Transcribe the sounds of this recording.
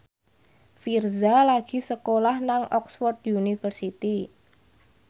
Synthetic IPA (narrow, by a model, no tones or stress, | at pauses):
firzalaɡ̥i̤səkolahnaŋʔɔksfɔrt̪̚junifərsit̪i